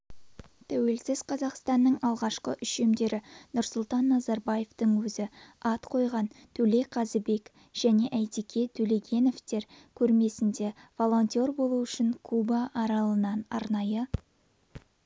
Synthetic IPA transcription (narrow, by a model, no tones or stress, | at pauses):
t̪ʰæwe̞lsɪzqʰɑzɑqst̪ɑnːəɴɑlˠʁɑʃqə̰ʔʏʃe̞md̪e̞ɾɪnʊɾsʊlˠt̪ɑnːɑzɑɾbɑje̞ft̪əŋwɵzɪɑt̪qʰo̞jʁɑnt̪ʰɵle̞qʰɑzəbe̞k | ʒ̥æne̞ʔæjt̪ikʲe̞t̪ʰɵleɡʲe̞no̞ft̪e̞ɾkʲʰɵɾme̞sɪnd̪e̞vo̞lˠo̞nt̪o̞rbo̞lˠuʏʃɪŋkʰubɑʔːɾɑlˠənɑnɑɾnɑjə